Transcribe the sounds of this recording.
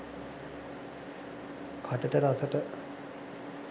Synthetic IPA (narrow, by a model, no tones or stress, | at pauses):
kʰaʈəʈəɾasəʈə